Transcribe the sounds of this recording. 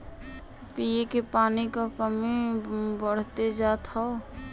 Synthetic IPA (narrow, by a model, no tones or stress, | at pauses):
pijekepaːnikapəmibəɽ̤t̪ed͡ʒat̪ʰɔ